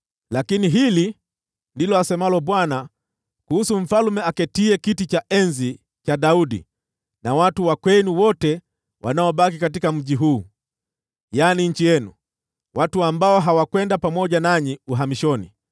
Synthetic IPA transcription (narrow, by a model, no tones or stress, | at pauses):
lakiniɦili | ndilɔasɛmalɔɓwana | kuhusum̩falumɛakɛtiɛkitit͡ʃaʔɛnzi | t͡ʃaɗauɗḭ | nawatuwakwɛnuwɔtɛ | wʔa̰naɔɓak̬ikat̬ikam̩ʄiɦuː | janiɲ̩t͡ʃijɛnṵ | watuambaɔɦawakwɛndapamɔʄanaɲiuɦamiʃɔnḭ